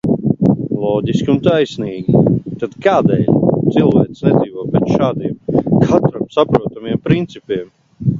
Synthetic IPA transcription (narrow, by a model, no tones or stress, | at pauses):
lˠɔːɟʲiskʲiunt̪ajsniːɡʲit̪ad̪kaːd̪ɛ̰ʎʲt̪silˠvæɛt̪snɛd̪ziːvoɔpɛt̪ʃaːd̪iɛmkʰat̪ɾamsapɾuɔt̪amiɛmpɾint̪sipʲiɛm